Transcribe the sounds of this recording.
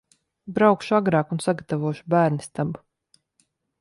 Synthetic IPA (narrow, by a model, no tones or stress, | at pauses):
bɾawkʃuaɡɾɑːkunsaɡat̪avuɔʃubæːɾnist̪ab